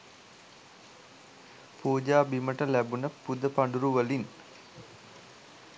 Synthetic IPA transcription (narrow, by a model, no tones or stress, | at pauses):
puːd͡ʒaːbiməʈəlæbunəpud̪əpaɳɖuɾuʋəlin